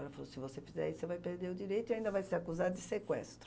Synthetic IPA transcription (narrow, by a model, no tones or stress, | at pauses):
ɛlɐfalosɪvosefizɛ̰isevajpeɾd̪eɾʊd̪iɾejt̪ʊiaĩd̪ɐvajseɾakuzad̪ʊd̪isekwɛst̪ɾʊ